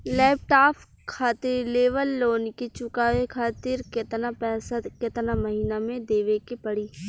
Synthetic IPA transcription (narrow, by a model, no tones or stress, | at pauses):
lɛːp̚ʈaːpʰ | kʰaːt̪ɪɾleːʋəlːoːnket͡ʃʊkaːʋekʰaːt̪ɪɾkɪt̪napɛːsakɪt̪namɐɦiːnamẽd̪eːʋekepɐɽiː